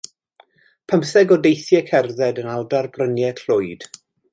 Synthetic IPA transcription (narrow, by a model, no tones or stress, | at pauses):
pʰəmsɛɡɔdejθjɛkʰɛrðɛdənawdarbrənjɛɬʊɨd̥